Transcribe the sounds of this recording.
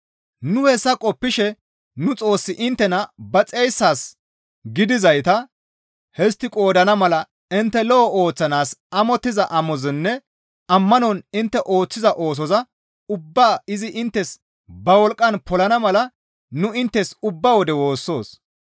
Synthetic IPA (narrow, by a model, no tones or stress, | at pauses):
nʊhɛsːɐkʼɔpːɪʃɛ | nʊt͡sʼo̞ːsːɪʔɪnt̪ːɛnɐbɐt͡sʼɛjsːaːs | ɡɪd̪ɪzɐjt̪ɐ | hɛs̬t̪ːɪkʼo̞ːd̪ɐnɐmɐlɐ | ɪnt̪ːɛlɔɔoːt͡sːɐnaːsɐmɔt̪ːɪzɐʔɐmɔzɪnːɛ | ɐmːɐnɔnɪnt̪ːɛʔo̞ːt͡sːɪzɐʔo̞ːs̬ɔzɐ | ʊbːaːɪzɪʔɪnt̪ːɛs | bɐwɔlkʼːɐnpɔlɐnɐmɐlɐ | nʊɪnt̪ːɛsʊbːaːwɔd̪ɛwo̞ːsːo̞ːs